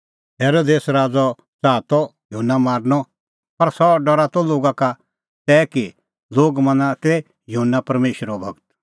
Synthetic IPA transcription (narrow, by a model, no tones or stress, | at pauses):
ɦeːɾoːd̪eːsɾaːd͡zɔ | t͡saːt̪ɔjuɦunːamaːɾnɔ | pɐɾsɔɖɔɾat̪ɔloːɡaka | t̪ɛːki | loːɡmɐ̃nãt̪e | jʊɦənːapɐɾmeːʃɾɔbʱɐɡt̪